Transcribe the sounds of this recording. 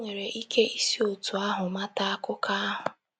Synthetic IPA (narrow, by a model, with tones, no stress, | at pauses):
ŋʷe˨ɾe˨ʔi˦kʰe˦ʔi˦si˦o˨tu˨a˦ɦʊ˨ma˦ta˦a˦kʊ˦ka˦a˦ɦʊ˨